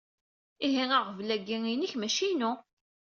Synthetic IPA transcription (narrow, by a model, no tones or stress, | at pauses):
iɦiŋəʁvlæɡːiŋiniçmæʃinʊ